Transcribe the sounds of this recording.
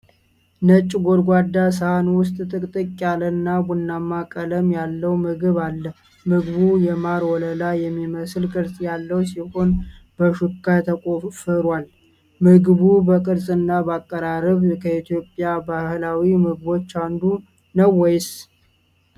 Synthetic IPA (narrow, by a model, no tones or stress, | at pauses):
nət͡ʃʼːɡoɾɡʷad̪ːas̬əhanwʊst̪ʼt̪ʼɨkʼt̪ʼɨkʼjalənːabunːamːakʼələmjalːəwmɨɡɨβalːəh | mɨɡβujɛmaɾwɔləlajɛmːiməslkʼɨɾsʼjalːəwsiho̞nbəʃukːat̪ʰəkʼofəɾwal | mɨɡβubəkʼɨɾsʼɨnːabəakʼːəɾaɾəβkʰəit̪ʰjo̞pʼːjabahhlawimɨɡbo̞t͡ʃːand̪u | nəwːɔjɪs